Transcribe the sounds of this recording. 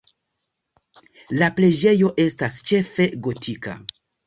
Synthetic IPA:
laple̞d͡ʒe̞jo̞ʔe̞stast͡ʃe̞fe̞ɡo̞tʰika̰

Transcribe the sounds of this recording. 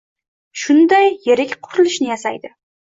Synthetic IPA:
ʃʊnd̪ajːeɾɪkʲqʰʊɾɪlɪʃnɪjasa̰jd̪ɪ

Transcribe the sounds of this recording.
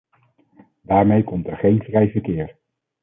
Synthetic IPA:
daːɹmejkɔmtɛɹχejnvrɛjvəɹkɪːɹ

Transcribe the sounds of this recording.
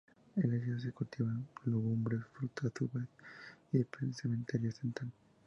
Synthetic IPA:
eleʝas̬ekult̪iβaloɣumbɾesfɾut̪ʰaθuβeθiepensement̪eɾjoθent̪al

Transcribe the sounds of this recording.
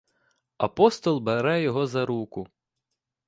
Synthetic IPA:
ɐpɔst̪ɔlˠbeɾɛjɔɦɔzɐɾukʊ

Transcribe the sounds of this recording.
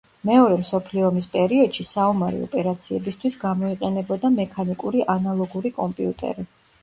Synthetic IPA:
mɛɔɾɛmsɔpʰliɔmispʼɛɾiɔd̪̥ʃisaɔmaɾɛ̰ɔ̰pʼɛɾat̪sʰiɛbist̪ʰwisɡamɔiqʼɛnɛbɔd̪amɛkʰanikʼuɾiʔanalˠɔɡuɾikʼɔmpʼiut̪ʼɛ̰ɾi

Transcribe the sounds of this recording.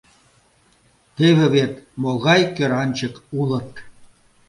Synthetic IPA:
t̪eβĕβet̪moɣɑjkøɾɑnʲt͡ɕəkulə̆t̪

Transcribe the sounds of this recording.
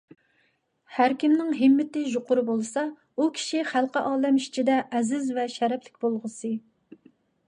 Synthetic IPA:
hæɾkʲimnɪŋɦɪmːɪt̪ɪʒoqʰʊɾɨbolˠɨsɑ | ukʲʰi̥ʃiχælˠqəʔɑːd̪ɛmiʃt͡ʃʰid̪ɛʔːzɪzvɛʃɛɾɛplɪk̚ʲbolˠʁəsɨ

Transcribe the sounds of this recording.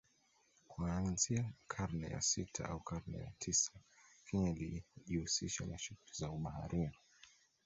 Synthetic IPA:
kuanziakʰaɾnɛja̰sitʰa̰ʔaukʰaɾnɛ̰ja̰tʰisḁkʰiɲaliʄihusiʃanaʃutizauɓahaɾia

